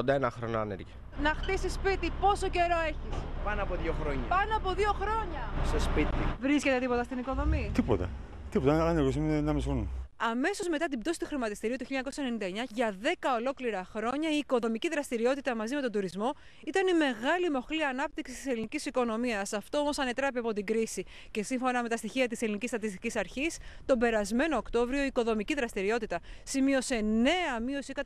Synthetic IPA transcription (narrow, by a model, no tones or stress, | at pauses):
ond̪ɐenɐxɾonoɐneɾʝi | nɐxt̪isispit̪ipo̞so̞ce̞ɾo̞e̞çispɐnoɐpoðjoxɾo̞ɲɐpɐnoɐpo̞ðio̞xɾo̞ɲɐsespit̪ivɾiscet̪e̞t̪ipo̞t̪ɐst̪iniko̞ðo̞mit̪ipo̞t̪ɐ̰ | t̪ipo̞t̪ɐɐneɾɣos̬imnɐmisonuɐme̞so̞zme̞t̪ɐt̪̬ibd̪o̞si̥t̪uxɾimɐt̪ist̪iɾiot̪uçiʎːɐɲɐkosɐenenind̪ɐeɲɐʝɐðe̞kɐo̞lo̞kliɾɐxɾo̞ɲɐiːko̞ðo̞miciðɾɐst̪iɾio̞t̪it̪ɐmɐzime̞t̪o̞nd̪uɾizmo̞ | it̪ɐnime̞ɣɐlimo̞xliɐnɐp̚t̪iksist̪ise̞linicisiko̞no̞miɐsɐft̪o̞omo̞sɐne̞t̪ɾɐpiɐpo̞t̪iɡɾisi | ce̞siɱfo̞nɐme̞t̪ɐst̪içiɐt̪iselinicist̪ɐt̪ist̪icisɐɾçist̪o̞be̞ɾɐzme̞no̞ːkt̪o̞vɾio̞iko̞ðo̞miciðɾɐst̪iɾio̞t̪it̪ɐsimio̞se̞ne̞ɐmio̞sikɐ